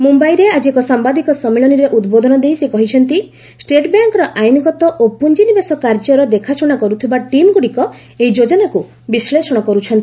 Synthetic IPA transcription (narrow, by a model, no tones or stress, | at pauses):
mumbajɾead͡ʒiekɔsambad̪ikɔsɔmːeɭɔniɾeʔud̪bod̪ʱɔnɔd̪ejsikɔɦit͡ʃʰɔnt̪i | sʈeʈbjaŋkɔɾɔʔajnɔɡɔt̪ɔʔopund͡ʒinibesɔkaɾd͡ʒɔɾɔd̪ekʰasuɽ̃akɔɾut̪ʰibaʈimɡuɽikɔ | eid͡ʒod͡ʒɔnaku | bislesɔɽ̃ɔkɔɾut͡ʃʰɔnt̪i